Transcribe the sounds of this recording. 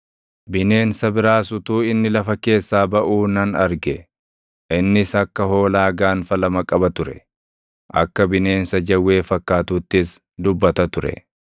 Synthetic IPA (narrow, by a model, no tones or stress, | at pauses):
bɪne̞ːnsɐbɪɾaːsʊt̪uːɪnːɪlɐfɐke̞ːsːaːbɐʔuːnɐnɐɾɡɛ | ʔɪnːɪsɐkːɐɦo̞ːlaːɡaːnfɐlɐmɐkʼɐbɐt̪ʊɾɛ̰ | ʔɐ̰kːɐbɪne̞ːnsɐd͡ʒɐwːe̞ːfɐkːaːt̪uːt̪ːɪs | d̪ʊbːɐt̪ɐt̪ʊɾɛ̰